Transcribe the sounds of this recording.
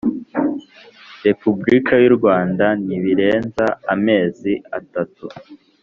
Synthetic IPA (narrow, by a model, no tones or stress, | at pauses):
ɾe̞pubɾikʰajuɾɡwaːndaniβiɾe̞ːnzaːme̞ːzia̰tatu